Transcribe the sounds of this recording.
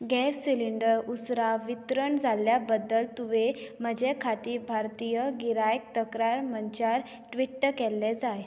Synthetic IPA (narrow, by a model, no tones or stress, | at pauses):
ɡɛsːiliɳɖəɾusɾaʋit̪ɾəɳd͡zʱaljabəd̪ːəlt̪uʋem̤əd͡ʑʱekʰat̪iːbʱaɾt̪ijəɡiɾajk̚t̪əkɾaɾməɲt͡ɕaɾ | ʈʋiʈːkɛlːed͡zaj